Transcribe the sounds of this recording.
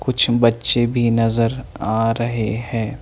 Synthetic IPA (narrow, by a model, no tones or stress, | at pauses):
kʊt͡ʃʰbɐtːʃebʱinɐzəɾaːɾɐɦeɦɛ̃ː